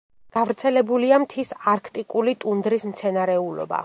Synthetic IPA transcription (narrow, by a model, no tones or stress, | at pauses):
ɡ̥avɾt̪sʰɛlɛbuliamt̪ʰisaɾkʰt̪ʼikʼulit̪ʼund̪ɾismt̪sʰɛnaɾɛulɔ̰ba̰